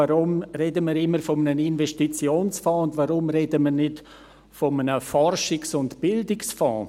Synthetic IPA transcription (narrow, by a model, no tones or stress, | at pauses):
aɾʊmɾɛdəmiːɾɪmːəɾfɔmənəninvɛʃtit͡sjoːnsfɔ̃ːʊndvaɾʊmɾɛdəməɾnɪt | fɔmənəfɔrʃɪksʊntb̥ɪldɪksfɔ̃ː